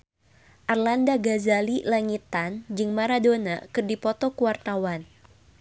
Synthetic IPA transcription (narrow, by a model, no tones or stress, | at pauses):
ʔarlandaɡazalilaŋit̪and͡ʒɨŋmaɾadonakɨrdipɔt̪ɔkuwart̪awan